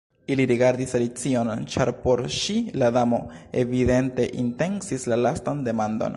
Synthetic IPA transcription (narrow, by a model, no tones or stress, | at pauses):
iliɾiɡaɾd̪isalit͡sio̞nt͡ʃaɾpo̞ɾʃiladamo̞e̞vide̞nte̞ʔinte̞nsislalastande̞mand̪o̞̰n